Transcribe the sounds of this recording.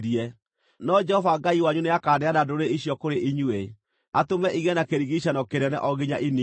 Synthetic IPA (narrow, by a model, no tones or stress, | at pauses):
ɾiɛ | nɔd͡ʒɛhɔvaɡaiwaɲuneakaːdɛanadoɾeiɕjɔkoɾeʔiɲue | atomɛʔiɣɛnakeɾiɣiɕanɔkeɾɛnɛ̰ʔɔɣiɲaʔini